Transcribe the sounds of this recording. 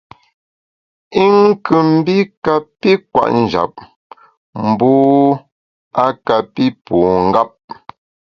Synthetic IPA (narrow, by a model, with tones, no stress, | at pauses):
i˦ŋ˦kʉ˨m̩˦bi˦ka˦˨pi˦kwa̰˦˨ʔn̩˨d͡ʒa̰˨p̚ | m̩˨bu˦ | a˦ka˨pi˦puː˨ŋ̩˦ɡa˦p̚